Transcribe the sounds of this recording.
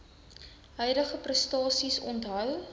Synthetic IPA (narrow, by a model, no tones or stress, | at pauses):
ɦœjdəχəprəstɑːsisɔntɦœw